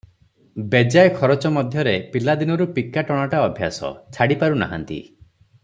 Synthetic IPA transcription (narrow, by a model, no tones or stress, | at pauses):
bed͡ʒajkʰɔɾɔt͡ʃɔmɔd̪ʱjɔɾepilad̪inɔɾupikːaʈɔɽ̃aʈaɔbʱja̰sɔ̰t͡ʃʰaɽipaɾuna̰ɦa̰nt̪ḭ